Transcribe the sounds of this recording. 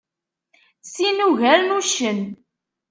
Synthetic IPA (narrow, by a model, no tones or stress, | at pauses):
sinuʝæɾnuʃən